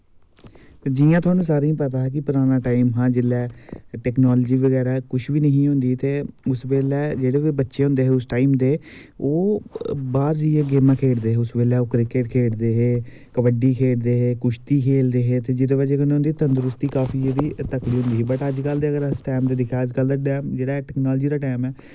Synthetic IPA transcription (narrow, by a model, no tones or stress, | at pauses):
t̪eːd͡ʒijãːt̪ʰʊaːnũːsaːɾeːĩːpət̪aːɦɛːkɪpəɾaːnaːʈaːɪmɦãːd͡ʒɪlːɛːʈɛːknaːld͡ʒiːʋəɡɛːɾaːkʊt͡ʃʰʋiːnəɦĩːɦʊ̃nd̪iːt̪eːʊsʋeːlɛːd͡ʒeːɽeːʋeːbətːʃeːɦʊ̃nd̪eːɦeːʊsʈaːimd̪eːoːbaːɾd͡ʒəeːɡeːmãːkʰeːɽd̪eːɦeːʊsʋeːlɛːoːkɾɪkeʈkʰeːɽd̪eːɦeː | kəʋəɖiːkʰeːɽd̪eːɦeːkʊʃt̪iːkʰeːld̪eːɦeːt̪eːd͡ʒɪɽeːʋəːd͡ʒeːkənɦʊ̃nd̪iːt̪ənd̪ɾʊst̪iːkaːpʰiːeːd̪iːt̪əkɽiːɦʊ̃nd̪iːɦːbəʈəd͡ʒkəld̪eːəɡəɾəsʈaːmd̪eːd̪ɪkʰɛːəd͡ʒkəld̪aːʈɛːmd͡ʒeːɽaːɛʈɛːknaːld͡ʒiːd̪aːʈaːmɛː